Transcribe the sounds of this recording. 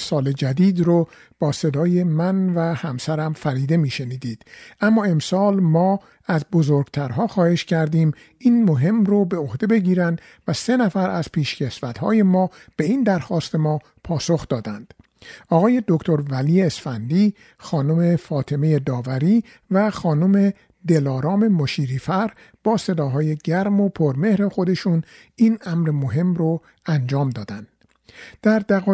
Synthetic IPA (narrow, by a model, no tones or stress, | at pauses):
sɒːled͡ʒæd̪iːd̪ɾo | b̥ɒːse̞d̪ɒːje̞mænvæhæmsæɾæmfæɾiːd̪e̞miːʃe̞niːd̪iːd̪̥ʔæmːɒːe̞msɒːlmɒː | æzbozoɾɡ̥t̪ʰæɾɦɒːxɒːhe̞ʃcʰæɾd̪iːm | inmoɦe̞mrobe̞ohd̪e̞be̞ɟiːɾænd̪̥ | væse̞næfæɾʔæz̥pʰiːʃce̞svæt̪hɒ̰ːje̞mɒː | b̥e̞iːnd̪æɾxɒːst̪e̞mɒː | pʰɒːso̞xd̪ɒːd̪ænd̪̥ | ɒːɣɒːje̞d̪o̞kt̪ʰo̞ɾvæliːeːsfænd̪iː | xɒːnome̞fɒːt̪ʰe̞me̞jed̪ɒːvæɾiː | væxɒːnome̞ | d̪e̞lɒːɾɒːme̞moʃiːɾiːfæɾ | b̥ɒːse̞d̪ɒːɦɒːje̞ɟæɾmo̞pʰoɾme̞hɾe̞xo̞d̪e̞ʃuːn | inæmɾemoɦe̞mro | ænd͡ʒɒːmd̪ɒːd̪ænd̪̥ | d̪̥æɾd̪æɣː